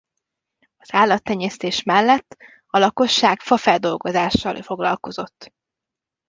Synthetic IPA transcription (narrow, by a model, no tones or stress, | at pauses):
ɒz̥aːlːɒt̪ːɛɲːɛst̪eːʃmɛlːɛt̪ː | ɒlɒko̞ʃːaːkfɒfɛld̪o̞lɡo̞zaːʃːɒlfo̞ɡlɒ̰lko̞zo̞t̪ː